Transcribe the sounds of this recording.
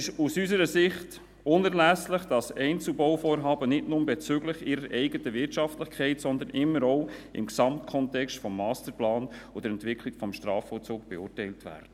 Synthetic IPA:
ɪʃusysəɾəsɪχt | ʊnæɾlæslɪχd̥ɑsɛɪnt͡sl̩bɔwfoːɾɦɑːbənɪtnʊmbɛt͡søɡlɪχɪɾəɾɛɪɡətəvɪɾtʃɑftlɪχkʰɛɪtsɔnd̪ənɪmːəɾɔʊɪ̰mksɑmtkʰɔntɛkstfɔmːɑːstəɾplɑːnɔd̥̪əɾɛntʋɪkʰlɪɡ̥fɔmʃtɾɑːfɔt͡suːk̚b̥ɛʊːrtɛɪltvæ̰ːrd̥ə

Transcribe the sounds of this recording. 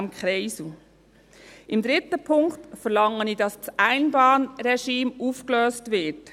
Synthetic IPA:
mkχɾɛɪsu | ʔɪmd̪ɾɪtəpʰʊŋktfəɾlɑŋənidɑst͡sʔæɪnbɑːnɾɛʃiːmuːfkløːstʋɪt

